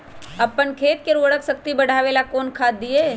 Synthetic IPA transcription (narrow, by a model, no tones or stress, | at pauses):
ɐpːənkʰeːt̪̚keɾoːɽəksɐk̚t̪ibɐɽ̤ʱaːʋeːlakoːnkʰaːd̪ːieː